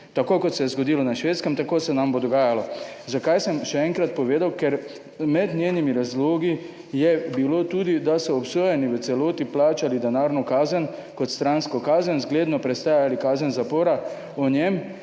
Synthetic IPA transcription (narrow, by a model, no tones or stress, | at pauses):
t̪akoːkɔt̪sɛjɛzɡɔd̪iːlɔnaʃʋeːt̪skəmt̪akoːsɛnambod̪ɔɡaːjalɔzakajsəmʃɛɛŋkɾat̪̚pɔʋeːd̪awkɛɾ | mɛd̪nʲjeːnimiɾazloːɡi | jɛbiloːt̪uːd̪id̪asɔːpsoːjɛniʋəsɛloːt̪iplaːt͡ʃalid̪ɛnaːɾnɔkaːzən | kɔt̪st̪ɾanskɔkaːzənzɡleːd̪nɔpɾɛst̪aːjalikaːzənzapoːɾa | ɔnjɛm